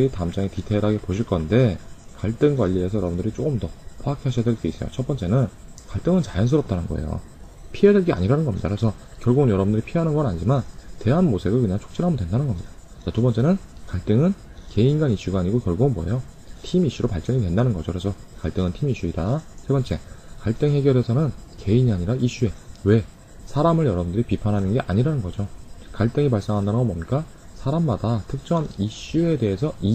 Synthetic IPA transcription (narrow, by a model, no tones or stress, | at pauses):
itamd͡ʑaŋetitʰeɾɦaɡe̞poɕʰiɭk͈ʌnde̞kaɭt͈ɯŋɡwaʎːies̬ʰʌjʌɾʌbundɯɾit͡ɕ͈okɯmdʌpʰwaakʰeɦaɕʰiadweɭk͈e̞is͈ʌjo̰t͡ɕʰʌtp͈ʌnt͡ɕ͈e̞nɯn | kaɭt͈ɯŋɯnt͡ɕajʌns̬ʰɯɾʌp̚t͈anɯnɡʌḛjo̰ | pʰiɦe̞dweɭɡea̰ɲiɾanɯnɡʌmɲḭda̰kʰesʰʌ | kjʌɭɡoɯnjʌɾʌbundɯɾipʰiɦanɯnɡʌnaɲid͡ʑimante̞ɦanmosʰeɡɯkɯɲaŋt͡ɕʰo̥k̚t͡ɕ͈iɾɦamɯndwe̞ndanɯnɡʌmɲid̥a | t͡ɕatubʌnt͡ɕ͈e̞nɯnkaɭt͈ɯŋɯn | ke̞inɡaniɕ͈uɡaːɲiɡokjʌɭɡoɯnboḛjo | tʰimiɕ͈uɾopaɭt͡ɕ͈ʌŋitwe̞ndanɯnɡʌd͡ʑokɾesʰʌkaɭt͈ɯŋɯntʰimiɕ͈uidasʰe̞bʌnt͡ɕ͈e̞kaɭt͈ɯŋɦe̞ɡjʌɾe̞sʰʌnɯnke̞iɲiaɲiɾaiɕ͈ue̞we̞ | sʰaɾamɯɾjʌɾʌbundɯɾipipʰanɦanɯnɡe̞ʔa̰ɲiɾanɯnɡʌd͡ʑokaɭt͈ɯŋip̬aɭs͈eŋɦandanɯnɡʌnbʌmɲik͈a | sʰaɾamːadatʰɯk̚t͡ɕ͈ʌniɕ͈ue̞de̞ɦesʰʌʔi